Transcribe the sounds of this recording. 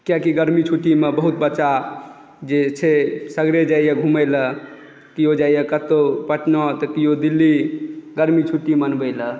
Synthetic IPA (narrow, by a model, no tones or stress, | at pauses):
kjakiɡəɾmit͡ʃʰuʈimebəɦut̪bətːʃa | d͡ʒet͡ʃʰesəɡɾed͡ʒaijəɡʱumələ | kijod͡ʒaijəkət̪opəʈnɔt̪əkijod̪ilːiɡəɾmit͡ʃʰuʈimənbələ